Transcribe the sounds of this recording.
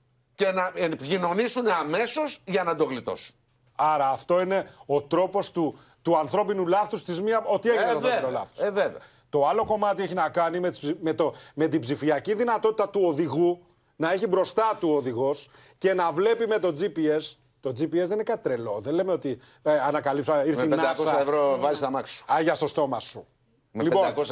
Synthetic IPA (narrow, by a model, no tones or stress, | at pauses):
cenɐepçino̞nisuneɐme̞so̞zʝɐnɐd̪oɣlit̪o̞̰su̥n | ɐɾɐːft̪o̞ine̞o̞t̪ɾo̞po̞st̪u | t̪uɐnθɾo̞pinulɐθust̪izmiɐo̞t̪ieçinɐnolɐ̰θo̥svevḛ | t̪o̞ɐlo̞ko̞mɐt̪ieçinɐkɐnimet̪i̥simet̪o̞me̞t̪ibzifiɐciðinɐt̪o̞t̪it̪ɐt̪uoðiɣu | nɐeçibɾo̞st̪ɐt̪uoðiɣo̞s | ce̞nɐvle̞pime̞t̪o̞d͡zipie̞s | t̪o̞d͡zipiesðeninekɐt̪it̪ɾe̞lo̞ðenle̞meo̞t̪i | ɐnɐkɐlipsɐiɾθinɐɐkosɐɐevɾovɐzist̪ɐmɐkssu̥ɐʝɐst̪o̞st̪o̞mɐsu | mliepo̞nɐkos